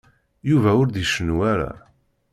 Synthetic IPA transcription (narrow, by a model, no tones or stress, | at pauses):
juvæʊɾd̪iʃənwæɾæ̰